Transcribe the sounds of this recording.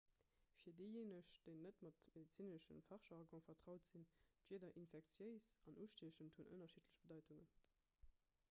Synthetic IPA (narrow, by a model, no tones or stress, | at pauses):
fiːɐdeɪjeːnəɕd̥eɪnːətmɑtmedit͡siːnəʃəmfɑʁʃɑʁɡɑ̃fɐtʁɑʊtz̥indɥiːdɐʔinfɛk̚t͡sjəɪsɑnʔuːʃtiʃəmthunʔə̰nɐʃitʰləɕb̥ədɑɪtʰuŋən